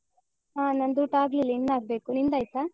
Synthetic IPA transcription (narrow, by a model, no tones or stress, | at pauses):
aːnɐnd̪uʈaːɡlilinːaːɡ̚beːkunind̪aːjt̪a